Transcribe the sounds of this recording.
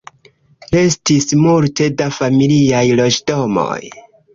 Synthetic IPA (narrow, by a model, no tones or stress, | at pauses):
le̞stismulte̞dafamiliajlo̞d͡ʒdo̞mo̞̰j